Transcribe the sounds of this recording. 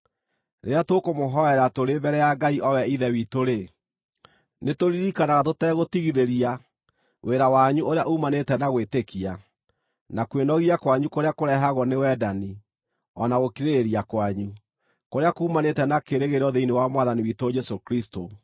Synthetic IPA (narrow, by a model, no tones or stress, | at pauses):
ɾeɾeatokomoɦɔɛɾatoɾebɛɾɛjaɡaiʔɔwɛiðɛwitoɾe | netoɾiɾikanaɣatotɛɣotiɣiðeɾia | wʔeɾawaɲuʔoɾeaʔuːmanetɛnaɣwetekia | nakwenɔɣiakwaɲukoɾeakoɾɛɦaɣɔnewɛdani | ɔnaɣokiɾeɾeɾiakwaɲu | koɾeakuːmanetɛnakeɾeɣeɾɔðeinewamwaðaniwitod͡ʒɛsokɾisto